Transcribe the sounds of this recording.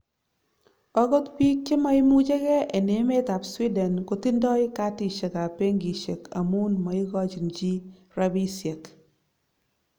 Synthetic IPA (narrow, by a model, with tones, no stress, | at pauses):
ɔ˦ɡɔ˦t̪pi˦k̚t͡ʃe˦ma˦i˦mu˦t͡ʃe˦kɛ˦e˨ne˨˦me˦ta˨pswi˦dɛ˨nko˨ti˦ndɔ˦jka˦ti˨ʃe˨ka˨pe˦ŋɡi˨ʃe˨kʰa̰˨mu˦nmɔ˨i˦ɡɔ˦t͡ʃi˨nd͡ʒi˦ | ɾa˦bi˦sje˨k